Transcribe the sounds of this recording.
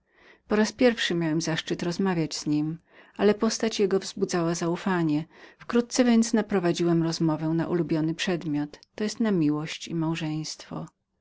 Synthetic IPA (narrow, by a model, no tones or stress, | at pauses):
pɔɾaspʲjɛɾfʂɘmʲjawɛmzaʂt͡ʂɨt̪ɾɔzmavʲjad͡ʑz̥ɲim | ʔalɛpɔst̪at͡ɕjɛɡɔvzbud̪zawazaufaɲɛfkɾut̪̚t̪sɛvʲjɛnt̪snapɾɔvad͡ʑiwɛmɾɔzmɔvɛw̃na̰ʔulubʲjɔnɘpʂɛd̪mʲjɔt̪ːɔjɛst̪namʲiwɔɕt͡ɕimawʐɛj̃st̪fɔ̰